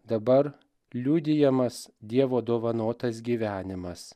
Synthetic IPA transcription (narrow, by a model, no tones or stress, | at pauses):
d̪ɐbɐɾ | lʲuːd̪ʲɪjɛmɐsd̪ʲiɛʋoːd̪oːʋɐnoːt̪ɐs̬ɡʲiːʋʲæːnʲɪmɐs